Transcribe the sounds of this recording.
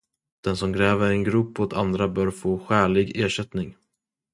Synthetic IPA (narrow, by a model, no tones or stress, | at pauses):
d̪̥ɛnsɔmɡɾɛːvəɾɛnɡɾɵpːɔt̪ʰand̪ɾabœːɾfoːɧæːɭɪɡeːʂɛt̪nɪŋ